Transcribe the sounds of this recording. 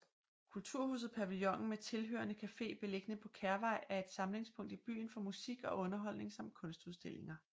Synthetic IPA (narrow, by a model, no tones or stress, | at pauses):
kʰult͡sʰuɐ̰hṵːsð̩ˠpʰæʋiljɒ̽ŋ̰n̩met͡sʰe̝lɦø̰ːɐnəkʰæfe̝̰ːb̥e̝le̝ɡ̥ənəpʰɒ̽kʰæɐʋɑ̈ɪ̰æɐe̝d̥sɑ̈mle̝ŋspʰɔ̽ŋ̰d̥ib̥y̰ːnfɒ̽musiɡ̥ɒ̽ʔɔ̽nɐɦɒ̽l̰ne̝ŋsɑ̈md̥̚kʰɔ̽nsd̥uðˠsd̥e̝l̰e̝ŋɐ